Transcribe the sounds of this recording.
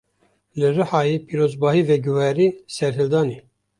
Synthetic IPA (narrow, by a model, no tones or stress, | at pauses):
lɨrɨhɑːjepʰiːɾozbɑːɦiːvɛɡuwɛːɾiːsɛɾɦɨld̪ɑːniː